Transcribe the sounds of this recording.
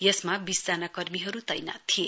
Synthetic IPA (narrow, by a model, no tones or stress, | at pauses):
jʌsmabisd͡zanakʌrmiɦʌɾut̪ʌjna̰t̪ʰije